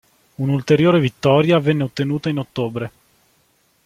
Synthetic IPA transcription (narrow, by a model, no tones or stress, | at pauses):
unult̪eɾjoːɾevit̪ːɔːɾjavɛnːeot̪ːenuːt̪ainot̪ːoːbɾe